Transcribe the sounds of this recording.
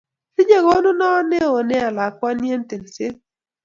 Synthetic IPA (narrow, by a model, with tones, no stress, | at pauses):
sɪ˦ɲe˨ɡo˦nʊ˦nɔ˦ne˦o˨nɛ˦a˨la˨kwa˦nje˦nte˨n˨se˦